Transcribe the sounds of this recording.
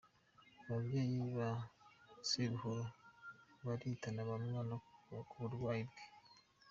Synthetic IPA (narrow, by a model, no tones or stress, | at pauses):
βaβjeːjiβa | seɾuhoɾo | βaɾitanaβamwanakuβuɾwaːjibɡe̥